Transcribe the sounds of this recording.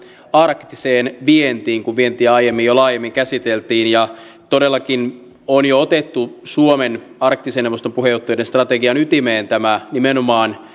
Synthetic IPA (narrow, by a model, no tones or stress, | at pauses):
ɑrkt̪iseːnʋient̪iːŋkuʋʋient̪iːɑjemːijolɑːjemːiŋkæsit̪elt̪iːnjɑ | t̪odelːɑkin | onjoot̪et̪ːusuomen | ɑrk̚t̪iseneʋost̪ompuhejot̪ːɑjodenst̪rɑt̪eɡiɑnyt̪imeːnt̪æmænimenomɑːn